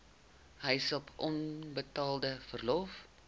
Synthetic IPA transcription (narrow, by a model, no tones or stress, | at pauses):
ɦəjsɐpʔɔnbətɑːlˠdəfərlɔf